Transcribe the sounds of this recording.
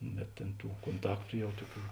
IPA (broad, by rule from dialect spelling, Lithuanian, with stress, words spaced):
bʲɛt tʲeːn ˈtuː koːnˈtɑːktʊ ˈjɛʊ ˈtuɔˌkʲuː